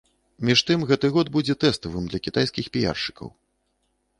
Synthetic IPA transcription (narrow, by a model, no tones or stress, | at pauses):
mʲiʂt̪ɨmɣɛt̪ɨɣɔd̪̚bud͡zʲɛt̪ɛst̪ɐvɨmd̪lʲɐkʲit̪ajskʲixpʲija̰rʂɨ̥kɐ̰w